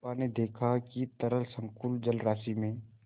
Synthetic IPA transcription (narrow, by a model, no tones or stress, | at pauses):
aned̪eːkʰakit̪ɐɾəlsə̃ŋkuld͡ʒəlɾaːsimẽ